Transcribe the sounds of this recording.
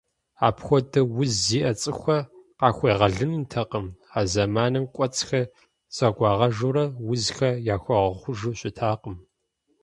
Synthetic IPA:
a̰ːpxʷɔdɐwʊzːiːʔɐt͡sʼɨxʷɐqɑːxʷeːʁɐɮɨnntʰɐqəmaːzɐmaːnɐmkʷʼɔt͡sʰʼxɐ | t͡sʼɐɡʷʼɑːʁɐʒuːɾɐwʊzxɐjaːxʷɐʁɐχʷʊʒɨɕʷʼɪtʰaːqəm

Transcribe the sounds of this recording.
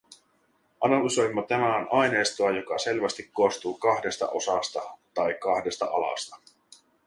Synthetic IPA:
ʔɑnɑlyso̞jmːot̪æmæonɑjne̞ːst̪oɑjo̞kɑse̞lʋæst̪ikkːost̪uːkɑhde̞st̪ɑ̰ʔo̞sɑst̪ɑt̪ɑjkɑhde̞st̪ɑ̰ʔɑlɑ̰st̪ɑ̥

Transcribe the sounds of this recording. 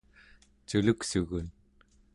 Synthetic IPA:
t͡ʃuluksuɣun

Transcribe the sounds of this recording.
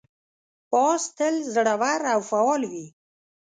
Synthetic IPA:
pɑst̪əlzɽawaɾawfawɑlwi

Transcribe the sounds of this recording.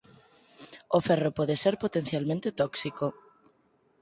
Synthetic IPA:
oferopɔðeseɾpot̪ẽn̟θjalmẽnt̪et̪ɔksiko

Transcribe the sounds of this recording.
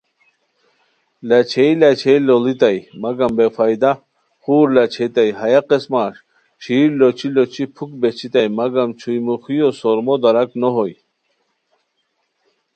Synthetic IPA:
lat͡ɕʰejlat͡ɕʰejlolit̪ajmaɡambefajd̪a | χuːɾlat͡ɕʰet̪ajɦajaqesmaːʂ | ɕiːɾlot͡ɕʰilot͡ɕʰipʰuk̚bet͡ɕʰit̪ajmaɡamt͡ɕʰujmuxijosoɾmod̪aɾaknoɦoj

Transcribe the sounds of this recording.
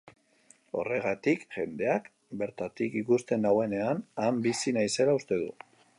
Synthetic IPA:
o̞̰re̞ɣat̪ikʝe̞nd̪e̞ak | be̞ɾt̪at̪ikikust̪e̞nawe̞ne̞anambisinajse̞laust̪e̞ðṵ

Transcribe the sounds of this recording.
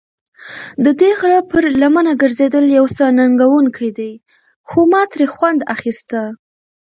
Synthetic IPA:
d̪əd̪eɣɾɑpəɾlamanaɡəɾzed̪əljawsanaŋɡawuŋkʰajd̪aj | xomɑt̪ɾexwand̪a̰xist̪a

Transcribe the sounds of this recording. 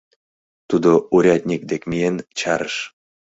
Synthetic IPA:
t̪ud̪ouɾʲɑt̪ʲnʲik̚d̪ekmʲijent͡ɕɑɾəʃ

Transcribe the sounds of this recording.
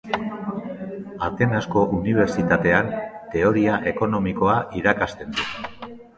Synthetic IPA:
at̪e̞nasko̞ʔuniβ̞e̞ɾt͡ʃit̪at̪e̞ant̪e̞o̞ɾiaʔe̞ko̞no̞miko̞aʔiɾakast̪e̞nd̪u

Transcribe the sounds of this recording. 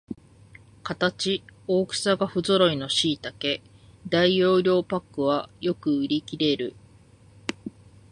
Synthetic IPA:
kat̪at͡ɕio̞ːkɯ̟̥saɡaɸɯ̟zo̞ɾo̞ino̞ɕiːt̪ake̞ | d̪aijo̞ːɾʲo̞ːpakːɯ̟βajo̞kɯ̟ɯ̟ɾʲikʲiɾe̞ɾɯ̟

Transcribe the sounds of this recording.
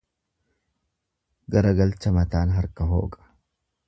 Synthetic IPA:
ɡɐɾɐɡɐlt͡ʃːɐmɐt̪aːnɦɐɾkɐɦo̰ːkʼɐ̥

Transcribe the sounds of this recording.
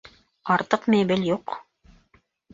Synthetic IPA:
ɑɾt̪ɤqmejbɘljuq

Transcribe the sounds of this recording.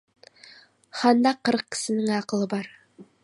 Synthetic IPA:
hɑnd̪ɑqɤ̆ɾq̚kːɘ̥sɘ̆nɘŋæɑqɤ̆lˠɤbɑɾ

